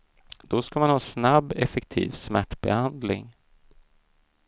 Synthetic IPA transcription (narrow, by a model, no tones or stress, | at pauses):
d̪̥ɔskamanhɑːsnabːɛfɛkt̪ʰḭːvsmæʈːbɛ̰hand̪lɪ̰ŋ